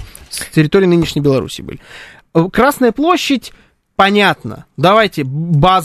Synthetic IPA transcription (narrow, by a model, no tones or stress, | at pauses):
sʲtʲɪɾʲɪt̪oɾɪjnɨnʲɪʂnʲɪjbʲɪlˠɐɾṵsʲḭːbɨ̰lʲɪ | kɾasnəjəplˠo̞ɕːɪtʲ | pɐnʲat̪nə̰d̪ɐvajtʲɪbaz